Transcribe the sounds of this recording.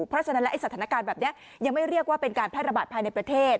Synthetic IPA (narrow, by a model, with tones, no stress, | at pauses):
pʰɾ̚t͡ɕa˧na˦˥lʔjsa˩t̪ʰaː˩˦na˦˥kaː˧nbɛː˨˩p̚ni˦˥ | ja˧ŋma˥˩jɾi˥˩ək̚waː˥˩pe˧nkaː˧npʰɛː˥˩t̪̚ɾa˧baː˨˩t̪̚pʰaː˧jna˧jpɾa˧t̪ʰeː˥˩t̪̚